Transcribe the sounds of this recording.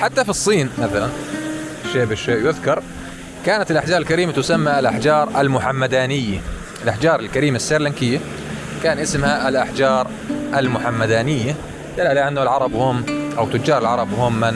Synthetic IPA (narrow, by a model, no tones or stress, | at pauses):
ħat̪ːafisˤːiːnmaθalanɪʃːeːʔbɪʃːeːʔjʊðkɑɾˤ | kaːnat̪ɪlʔaħd͡ʒɑːɾɪlkaɾiːmat̪ʊsamːaɪlʔaħd͡ʒɑːɾˤalmʊħamːad̪aːnɪjːa | ɪlʔaħd͡ʒɑːɾˤɪlkaɾiːmasːaɾlankɪjːa | kaːnʔɪsmhaɪlʔaħd͡ʒɑːɾˤ | ʔalmʊħamːad̪aːnɪjːa | d̪alːalaʔɪnːʊlʕɑɾˤɑbhʊmʔawt̪ːʊd͡ʒːɑːɾˤɪlʕɑɾˤɑbhʊːmːɪn